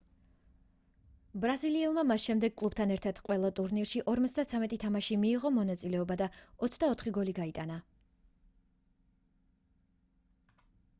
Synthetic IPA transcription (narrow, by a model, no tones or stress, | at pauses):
bɾaziliɛlˠmamasʃɛmd̪ɛɡ̚kʼlˠub̚t̪ʰanɛɾt̪ʰad̪̥qʼwɛlˠat̪ʼuɾniɾʃiʔɔɾmɔt̪sd̪at̪sʰamɛt̪ʼit̪ʰamaʃimiːʁɔmɔnat̪sʼilɛɔbad̪aɔt̪sʰd̪aɔt̪ʰχiɡɔliɡait̪ʼana